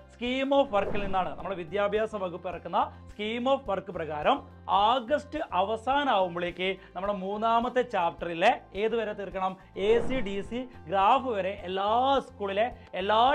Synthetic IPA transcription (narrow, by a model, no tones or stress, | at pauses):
skiːmo̞ːfʋɐrkːilninːaːɳɨnɐmːuɽe̞ʋid̪jaːbʱjaːsɐmʋɐɡupːirɐkːunːɐskiːmo̞ːfʋɐrkːɨprɐɣaːɾɐm | aːɡɐsʈɨʔɐʋɐsaːnaːɣumboɭeːkːɨnɐmːuɽemuːnːaːmɐt̪ːet͡ɕaːpʈːɐrilee̞ːðuʋɐɾet̪ːirkːɐɳɐm | eːsiɖisiɡɾaːfɨʋɐɾe̞ʔelːaːskuːɭile̞elːaː